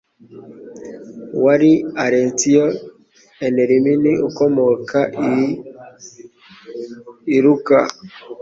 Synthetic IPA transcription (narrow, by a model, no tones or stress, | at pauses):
waɾiaɾɛntiɔ | ɛnɛɾiminiʔokɔmɔkʰa | iɾuka̰